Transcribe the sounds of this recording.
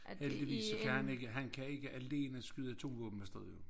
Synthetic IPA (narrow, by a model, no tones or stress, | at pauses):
hel̰d̥iʋḭːssɒkʰæhæne̝ɡ̥əɦænkʰæe̝ɡ̥əʔæle̝̰ːnəsɡ̥yð̞ˠæt͡sʰo̝̰ːʋɔ̰ːb̥m̩mæsd̥ɛðˠjo